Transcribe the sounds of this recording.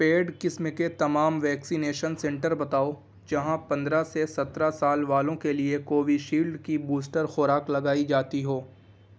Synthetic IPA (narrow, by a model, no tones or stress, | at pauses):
peːɖkɪsmeket̪ɐmaːmʋɛːksineːʃənsɛ̃ɳʈəɾbɐt̪aːo | d͡ʒɐɦãpɐ̃nd̪ɾasesɐt̪ɾasaːlʋaːlõkeliekoːʋiʃiːlɖkibuːsʈəɾxʊːɾaːklɐɡaːid͡ʒaːt̪iɦoː